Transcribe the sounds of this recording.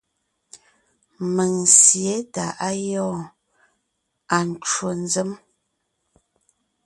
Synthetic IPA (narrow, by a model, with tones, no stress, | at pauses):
mə˨ŋ˨sje˨˦ta˨ʔa˦jɔ˦˨ | a˨n˨t͡ʃwo˨n˨zə˦m